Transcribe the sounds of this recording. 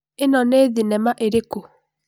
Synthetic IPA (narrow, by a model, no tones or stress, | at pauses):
enɔneðinɛmaʔeɾeko